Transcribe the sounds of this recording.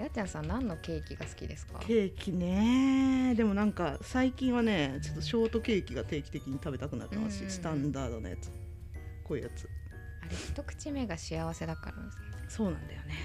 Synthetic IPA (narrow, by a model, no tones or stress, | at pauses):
jat͡ɕãsãnnãnːo̞ke̞ːkʲiɡasɨ̥kʲḭd̪e̞sɨ̥ka̰ke̞ːkʲine̞ | d̪e̞mo̞nãŋkasaikʲĩɰ̃βane̞t͡ɕot̪ːo̞ɕo̞ːt̪o̞ke̞ːkʲiɡat̪e̞ːkʲi̥t̪e̞kʲiɲ̟it̪abe̞t̪akɯna̰t̪ːe̞̰ma̰sɨ̥ɕisɨ̥t̪ãnd̪aːd̪o̞̰na̰ja̰t͡sɨ̥ | koːi̟jat͡sɨ̥ | aɾeçi̥t̪o̞kɯ̟̥t͡ɕime̞ɡaɕiaβ̞ase̞d̪akːa̰ɾa̰nd̪esneso̞ːnã̰nd̪ajo̞ne